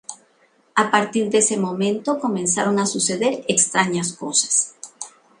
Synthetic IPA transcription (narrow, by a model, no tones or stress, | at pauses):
apaɾt̪iɾd̪ese̞mõ̞mẽ̞nt̪o̞ko̞mẽ̞nsaɾo̞ŋasuse̞ðe̞ɾekst̪ɾaɲasko̞sḁs